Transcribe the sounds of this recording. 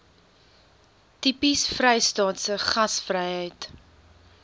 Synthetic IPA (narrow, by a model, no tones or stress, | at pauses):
tipisfrɛjstɑːtsəχɐsfrɛjɦəjt